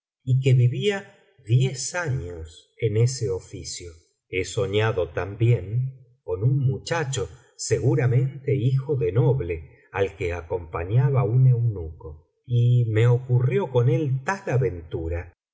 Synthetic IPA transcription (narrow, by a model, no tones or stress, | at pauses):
ikeβiβia | ðjesaɲos | eneseofisjo | eso̞ɲaðo̞t̪ambjeŋ | ko̞nunmut͡ʃat͡ʃo̞ | seɣuɾamẽ̞nt̪e̞ixo̞ðenoβle̞ | alkeako̞mpaɲaβaune̞wnuko | ime̞okurjo̞ko̞ne̞lt̪alaβe̞nt̪uɾa